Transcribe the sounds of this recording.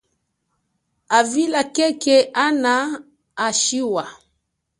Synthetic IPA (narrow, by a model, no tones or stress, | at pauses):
avilakɛkɛʔanaː | ʃiwa